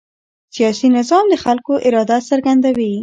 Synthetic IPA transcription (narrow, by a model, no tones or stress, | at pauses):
sijɑsinɪzɑmd̪əxalkoʔɪɾɑd̪asaɾɡand̪awi